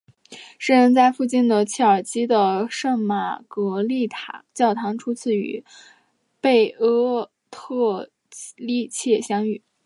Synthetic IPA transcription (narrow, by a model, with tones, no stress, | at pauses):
ʂɻ̩˥˧ɻə˧˥nt͡sa˥˧ɪfu˥˧t͡ɕi˥˩nd̪ə˩t͡ɕʰɛ˥˩ə˞˨˩t͡ɕʰi˥d̪ə˨ʂɤ˥˩ŋma̰˨˩kɤ˧˥li˥˩t̪ʰa˧˥t͡ɕjɑ˥˩ʊt̪ʰɑ˧˥ŋʈ͡ʂʰu˥t͡sʰɹ̩˥˩y̰˧˥ | pe˥˩ɪɤ˥ | t̪ʰɤ˥˩˧ | li˥˧t͡ɕʰjɛ˥˩ɕjɑ˥ŋy˨˩˦